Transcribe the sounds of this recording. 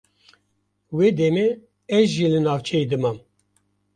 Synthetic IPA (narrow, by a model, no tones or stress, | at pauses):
wed̪ɛme | ɛzʒilɨnɑːvt͡ʃʰɛjd̪ɨmam